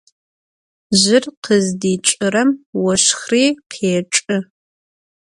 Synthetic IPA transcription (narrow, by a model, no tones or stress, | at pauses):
ʑɪrqʰəzdiːt͡ʃʼɨɾɐmwɐʂxriːqʰeːʈ͡ʂʼɨ